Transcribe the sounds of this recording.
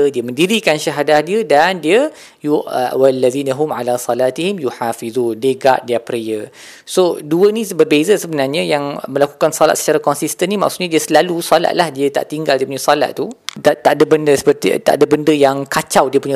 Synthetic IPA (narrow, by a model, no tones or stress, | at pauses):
ədiəmə̃ndiɾikanʃaɦadahdiədandiə | juwalːaðiːnaɦʊmʕalasɑlaːt̪ihɪmjuħafiðuːndeɡaʔ̚diapɾiə | soduənĩbərbezəsəbənarɲãjaŋmə̃laku̥kansɔlat̪̚sə̥t͡ʃaɾakɔnsist̪ənima̰ʔksuʔɲadiəsəlalusola̰ʔ̪̚lahdiət̪a̰ʔt̪iŋɡaldiəpuɲãsola̰ʔ̪̚t̪ud̪at̪aʔdəbəndəsə̥pərt̪ḭt̪a̰ʔdabəndəjaŋkat͡ʃawdiəpuɲə̃